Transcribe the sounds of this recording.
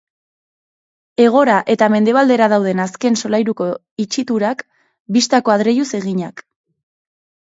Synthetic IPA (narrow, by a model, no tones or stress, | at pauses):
e̞ɣ̞o̞ɾaʔe̞t̪ame̞nd̪e̞β̞ald̪e̞ɾað̞awð̞e̞naske̞nso̞lajɾuko̞ | it͡ʃit̪uɾak | bist̪ako̞aðɾe̞juse̞ɣiɲak